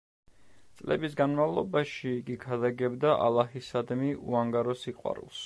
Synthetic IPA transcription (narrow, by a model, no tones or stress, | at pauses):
t̪sʼlɛ̰bisɡanmavlˠɔbaʃiːɡikʰad̪aɡɛbd̪aʔa̰lˠahisad̪miʔuaŋɡaɾɔsiqʼwa̰ɾṵlˠs